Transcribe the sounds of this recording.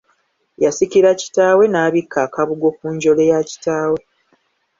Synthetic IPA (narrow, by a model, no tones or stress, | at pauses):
jasikiɾaci̥taːwe̞naːβikːaːkaβuɡo̞kuːɲɟo̞lejaci̥taːwe̞